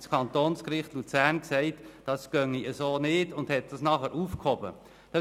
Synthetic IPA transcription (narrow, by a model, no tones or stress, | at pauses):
skʰɑnt̪oːnskɾɪχtlut͡sæɾnksɛɪtd̥ɑsɡ̥œŋːiəsoːnɪdʊnd̥hɛt̚d̥ɑsnɑχəɾʔuːfkhɔbə̰ | d̥ɑ